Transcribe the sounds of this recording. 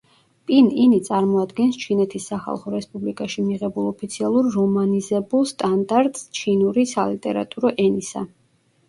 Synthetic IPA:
pʼininit̪sʼaɾmɔad̪ɡɛnst͡ʃʰinɛt̪ʰisːaχa̰lˠχɔɾɛspʼublikʼaʃimiʁɛbulˠɔpʰit̪sʰialˠuɾːɔmanizɛbulˠst̪ʼand̪aɾt̪ʼst͡ʃʰinuɾisa̰lit̪ʼɛɾa̰t̪ʼuɾɔʔɛnisa̰

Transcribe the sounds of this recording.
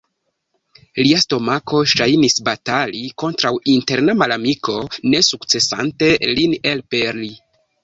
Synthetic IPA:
liasto̞mako̞ʃajnisbataliko̞ntɾawinte̞ɾnamalamiko̞ne̞sukt͡se̞sa̰nte̞line̞lpeɾli

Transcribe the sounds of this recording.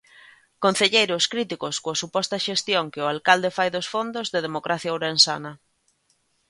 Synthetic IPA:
kon̟θeʎejɾoskɾit̪ikoskoasupɔst̪ɐʃest̪joŋkɪʊalkald̪efajðosfond̪ozðeðemokɾʔaθjawɾensa̰nɐ

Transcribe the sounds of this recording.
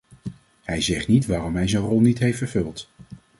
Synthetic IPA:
hɛjzɛχtnitʋaːɾɔmɦɛjzənrɔlˠnitɦejftfəɹvɵlˠt

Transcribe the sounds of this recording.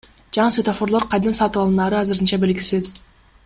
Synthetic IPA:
d͡ʒɑɴɯsvet̪ofo̞ɾlˠo̞ɾqɑjd̪ɑnsɑt̪ɯβɑlˠɯnɑːɾɯɑzɯɾɯnt͡ʃɑbe̞lɡʲisiz

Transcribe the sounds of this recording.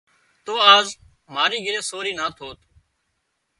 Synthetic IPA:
t̪oːaːz | maːɾiːɡɪɾeːsoːɾiːnaːt̪ʰoːt̪ː

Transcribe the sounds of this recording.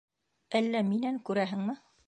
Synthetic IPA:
ælːæminæŋkʉɾæɦɘ̆ŋmɘ

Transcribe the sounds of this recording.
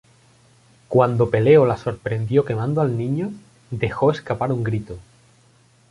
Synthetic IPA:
kwand̪o̞pe̞le̞olaso̞ɾpɾe̞nd̪jo̞ke̞mãnd̪oalnĩɲo | d̪e̞xo̞e̞skapaɾuŋɡɾit̪o

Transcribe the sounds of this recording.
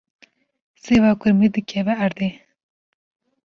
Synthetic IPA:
seːvɑːkʊɾmid̪ɨkʰɛvɛɐɾd̪eː

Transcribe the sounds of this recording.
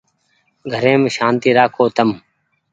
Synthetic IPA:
ɡʱəɾẽːmeʃãːnt̪iːɾaːkʰoːt̪əm

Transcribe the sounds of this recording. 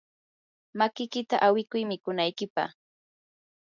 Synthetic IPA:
makɪkɪt̪aʔawɪkʊjmɪkʊnajkɪpa̰χ

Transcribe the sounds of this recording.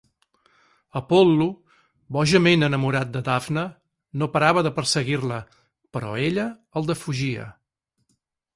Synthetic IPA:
əpɔlːu | βɔʒəmenənəmuɾat̪̚d̪əd̪avnə | nopəɾaβəðəpəɾsəɣirlə | pəɾɔ̰eʎəːlˠd̪əfuʒiə̰

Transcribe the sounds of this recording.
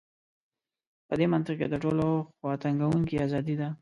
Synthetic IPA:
pəd̪emant̪ɪqked̪əʈoloxwɑt̪aŋɡawuŋkiazɑd̪id̪a

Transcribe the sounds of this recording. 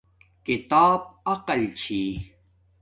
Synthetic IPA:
kit̪aːb̚ɐqɐlt͡ɕʰi

